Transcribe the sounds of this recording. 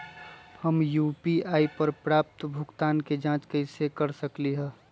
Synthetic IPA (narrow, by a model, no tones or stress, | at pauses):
həmjuːpiaːipəɾpɾaːp̚t̪bʱʊɡt̪aːnked͡ʒãːt͡ʃkəɪsekɐɾsəkliɦɛː